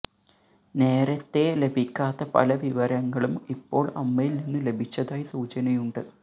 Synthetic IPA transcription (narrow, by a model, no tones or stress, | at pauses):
ne̞ːɾɐt̪ːe̞le̞bʱikʲːaːt̪ːɐpɐ̰lɐʋiʋɐɾɐŋːɐɭumipːo̞ːɭɐ̰mːɐjilninːɨle̞bʱit͡ɕːɐðaːjisuːt͡ɕɐnɐjuɳɖɨ